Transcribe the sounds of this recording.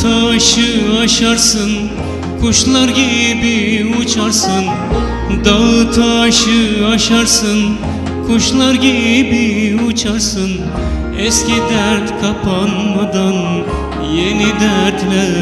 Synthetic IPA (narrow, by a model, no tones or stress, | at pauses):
t̪ʰɑʃɯɑʃɑɾsɯn | kʰuʃlˠɑɾɡibiut͡ʃʰɑɾsɯn | d̪ɑt̪ʰɑʃɯaʃɑɾsɯn | kʰuʃlˠɑɾɡebiut͡ʃʰɑɾsɯn | eskʲid̪æɾt̪kʰapʰanmɑd̪ɑn | jenid̪æɾt̪læ